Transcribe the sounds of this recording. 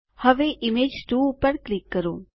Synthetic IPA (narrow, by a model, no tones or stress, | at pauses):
həʋeːʔɪmeːd͡ʒt̪uːʊpːəɾklɪkːəɾoː